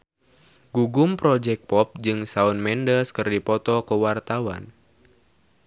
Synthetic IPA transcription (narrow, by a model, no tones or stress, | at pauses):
ɡuɡumpɾɔd͡ʒɛk̚pɔp̚d͡ʒɨŋsaunmɛndəskərdipɔt̪ɔkəwart̪awa̰n